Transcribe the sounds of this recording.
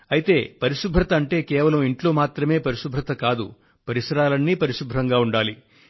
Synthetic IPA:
ɐjit̪e̞ːpɐɾiʂubʱɾɐt̪ɐːɳʈe̞ːkɛːʋɐlɐmiɳʈlo̞ːmaːt̪ɾɐme̞ːpɐɾiʃubʱɾɐt̪ɐkaːd̪ṵ | pɐɾisɐɾaːlɐnːiːpɐɾiʂubʱɾɐŋɡaːuɳɖaːli

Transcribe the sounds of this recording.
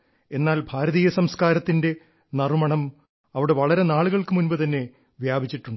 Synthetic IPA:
e̞nːaːlbʱaːɾɐðiːjɐsɐmskaːɾɐt̪ːinde̞ | nɐrumɐɳɐm | ɐʋiɽe̞ʋɐɭɐɾe̞naːɭuɣɐɭkɨmunbɨt̪ɐnːe̞ | ʋjaːbʱit͡ɕːiʈːuɳɖɨ

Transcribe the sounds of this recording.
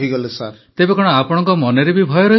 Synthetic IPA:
iɡɔlusa | t̪ebekɔɽ̃ɔapɔɽ̃ɔŋkɔmɔneɾebibʱɔjɔɾɔɦ

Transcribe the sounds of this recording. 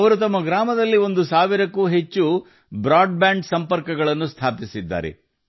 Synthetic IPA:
ɐʋɐɾut̪ɐmːɐɡɾaːmɐd̪ɐlːio̞nd̪usaːʋiɾɐkːuːɦet͡ʃːu | bɾaːɖbaːɳɖsɐmpɐɾkɐɡɐɭɐnːust̪ʰaːpisid̪ːa̰ːɾḛ

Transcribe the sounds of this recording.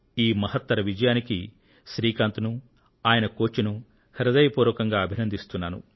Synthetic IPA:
iːmɐhɐt̪ːɐɾɐʋid͡ʒɐjaːniki | ʃɾiːkaːnt̪unu | aːjɐnɐkoːt͡ʃunu | hiɾɐd̪ɐjɐpuːɾʋɐkɐŋɡaːɐbʱinɐnd̪ist̪unːaːnṵ

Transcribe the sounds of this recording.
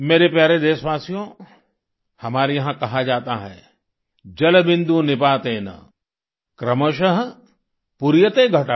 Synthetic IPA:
meːɾepjaːɾed̪eːʃʋaːsijõ | hɐmaːɾijɐɦãkɐɦad͡ʒaːt̪aɦɛ̰ː | d͡ʒɐlbɪ̃nd̪ũnɪpaːt̪eːnɐ̰ | kɾɐməʃəɦ | puɾjət̪eɡʱɐʈa

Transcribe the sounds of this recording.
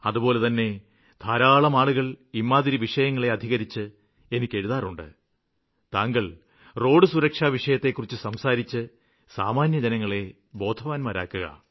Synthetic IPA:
ɐðupo̞ːle̞t̪ɐnːe̞ | d̪̥ʱaːɾaːɭɐmaːɭuɣɐɭimːaːd̪iɾiʋiʂɐjɐŋːɐɭe̞ɐd̪ʱiɣɐɾit͡ɕːɨ | e̞nikʲːe̞ɻuðaːruɳɖɨ̰ | t̪aːŋɡɐɭ | ro̞ːɖɨsuɾɐkʂaːʋiʂɐjɐt̪ːe̞kːurit͡ɕːɨsɐmsaːɾit͡ɕːɨ | sa̰ːmaːnjɐd͡ʑɐnɐŋːɐɭe̞ | bo̞ːd̪ʱɐʋaːnmaːɾa̰ːkːuɣɐ̰

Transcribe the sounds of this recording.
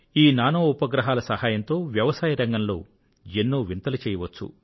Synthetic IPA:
iːnaːnoːupɐɡɾɐɦaːlɐsɐhaːjɐnt̪o̞ːʋjɐʋɐsaːjɐɾɐŋɡɐnlo̞̰ː | enːoːʋint̪ɐlɐt͡ʃɛːjɐʋɐt͡ʃːṵ

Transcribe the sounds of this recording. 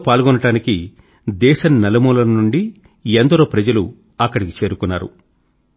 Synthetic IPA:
paːlɡɔnːɐɽaːniki | d̪ɛːʃɐnnːɐlɐmuːlɐnnuɳɖi | end̪ɐɾoːpɾɐd͡ʒɐlu | ɐkːɐɽiki̥t͡ʃe̞ːɾukunːaːɾṵ

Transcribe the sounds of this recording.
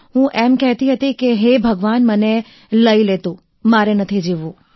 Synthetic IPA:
ɦũʔɛmkɛɦt̪iɦət̪ikeɦebʱəɡʋanməne | ləilet̪ũ | maɾenət̪ʰid͡ʒeʋũ

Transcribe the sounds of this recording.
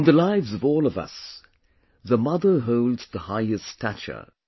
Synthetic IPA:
nðəlaɪvzʌvɔlˠʌvʌ̰s | ðəmʌðə˞ɦoʊlˠdz̥ðəhaɪɨstʰæt͡ʃə̰˞

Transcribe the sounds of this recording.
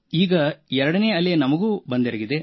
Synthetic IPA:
iːɡɐɛɾɐɽɐneːɐleɐnɐmɐɡuːbɐnd̪eɾɐɡid̪e

